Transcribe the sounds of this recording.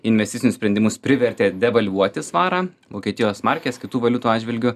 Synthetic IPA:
ɪnʲʋʲɛsʲt̪ʲɪt͡s̪ʲsʲɪnʊsʲpʲɾʲɛnd̪ʲɪmʊspʲɾʲɪʋʲɛɾʲt̪ʲeːd̪ʲɛʋɐlʲʋuɔt̪ʲɪsʋɑːɾɑː | ʋoːkʲiɛt̪ʲɪjoːsmɐɾʲkʲeːskʲɪt̪uːʋɐlʲʊt̪uːɑːd͡ʒʲʋʲɪlʲɡʲʊ

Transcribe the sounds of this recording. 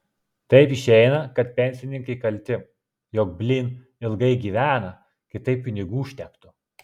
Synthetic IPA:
t̪ɐɪpɪʃʲɛɪnɐkɐt̪̚pʲɛnʲsʲɪnʲɪŋkɐɪkɐlʲt̪ʲɪ | jɔk̚bʲlʲiːn | ɪlˠɡɐɪɡʲiːʋʲæːnɐ | kʲɪt̪ɐɪpʲːɪnʲɪɡuːʃʲt̪ʲɛkt̪ʊ

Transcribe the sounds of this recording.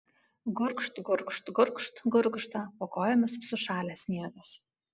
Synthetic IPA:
ɡʊɾkʃt̪ɡʊɾkʃt̪ɡʊɾkʃt̪ɡʊɾkʃt̪ɐpokoːjɛmʲɐssʊʃɑːlʲɛːsʲnʲiɛɡɐs

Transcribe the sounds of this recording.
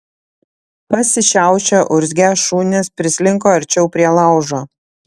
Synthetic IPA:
pɐsʲɪʃʲæˑʊt͡ʃʲɛʔʊɾʲzʲɡʲæʃuːnʲɛspʲɾʲɪsʲlʲɪŋkoːɐɾʲt͡ʃʲɛʊpʲɾʲiɛlˠɑˑʊʒoː

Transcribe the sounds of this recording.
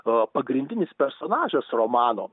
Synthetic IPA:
pɐɡɾʲɪnʲd̪ʲɪnʲɪspʲɛɾsoːnɑːʒʲɛsromɑːno̰ː

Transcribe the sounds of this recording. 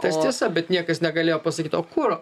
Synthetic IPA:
t̪ʲɐst̪ʲiɛsɐbʲɛt̪nʲiɛkɐsnʲɛɡɐlʲeːjoːpɐsɐkʲiːt̪oːkʊɾo

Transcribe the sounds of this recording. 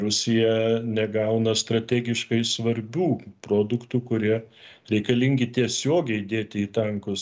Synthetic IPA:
ɾʊsʲɪjɛnʲɛɡɐʊnɐst̪ɾɐt̪ʲæːɡʲɪʃkɐɪsʋɐɾʲbʲuːpɾoːd̪ʊkt̪uːkʊɾʲiɛ | ɾʲɛɪkɐlʲɪŋʲɡʲɪt̪ʲiɛsʲoːɡʲɛɪd̪ʲeːt̪ʲɪit̪ɐŋkʊs

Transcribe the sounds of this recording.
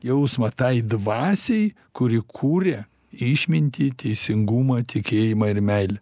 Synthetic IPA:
jɛʊsmɐt̪ɐɪd̪ʋɑːsʲɛɪ | kʊɾʲɪkʰuːɾʲɛ | ɪʃʲmʲɪnʲt̪ʲit̪ʲɛɪsʲɪŋɡuːmɐt̪ʲɪkʲeːjɪmɐɪɾmʲɛɪlʲɛ

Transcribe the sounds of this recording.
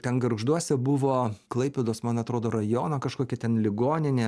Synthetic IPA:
t̪ʲɛnɡɐɾʒd̪uɔsʲɛbʊʋoːklˠɐɪpʲɛd̪oːsmɐnɐt̪ɾoːd̪oːɾɐjoːnɐkɐʃkoːkʲɛt̪ʲɛnlʲɪɡoːnʲɪnʲeː

